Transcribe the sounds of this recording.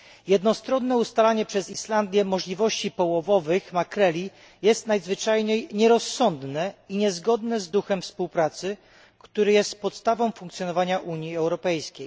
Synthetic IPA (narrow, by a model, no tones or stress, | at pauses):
jɛd̪nɔst̪ɾɔnːɛust̪alaɲɛpʂɛzisland̪ʲjɛmɔʐlʲivɔɕt͡ɕipɔwɔvɔvɘxmakɾɛlʲi | jɛst̪najzvɘt͡ʂajɲejɲɛɾɔsːɔnd̪nɛiɲɛzɡɔd̪nɛzd̪uxɛmfspuwpɾat̪sɘ | kt̪uɾɘjɛst̪̚pɔt̪st̪avɔ̃w̃fũŋkt̪sʲjɔnɔvaɲaʔuɲjiɛwɾɔpɛjskʲej